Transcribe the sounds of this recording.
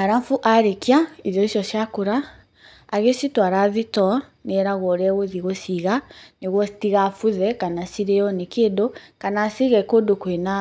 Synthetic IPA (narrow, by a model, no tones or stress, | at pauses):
aɾamfuʔaɾekiaiðjɔiʃjɔʃjakuɾaː | ɣesitwaɾaðitɔ | neɾaɣɔɾɛɣoðiɣosiɣaneɣwɔsi̥tiɣafuðɛkanasiɾeɔnikeːdokanasiɣɛkodokwena